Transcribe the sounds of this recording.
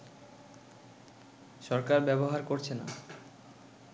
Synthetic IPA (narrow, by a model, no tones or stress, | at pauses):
ʃɔɾkaɾbɛboɦaɾkoɾt͡ɕʰena̰